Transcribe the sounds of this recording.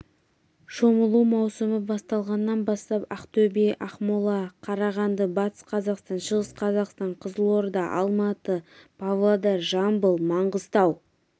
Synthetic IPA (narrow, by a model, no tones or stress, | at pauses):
ʃoməlˠuwmɑwsəməbɑst̪ɑlˠʁɑnːɑnbɑst̪ɑpɑqt̪obejʔɑχmolˠɑqʰɑɾɑʁɑnd̪əbɑt̪ə̥sqʰɑzɑqst̪ɑnʃəʁəsqʰɑzɑqst̪ɑɴqʰəzəlˠo̞ɾd̪ɑʔɑ̰lˠmɑt̪əpʰavlˠod̪ɑɾʒɑmbəlˠmɑɴʁəzt̪ɑw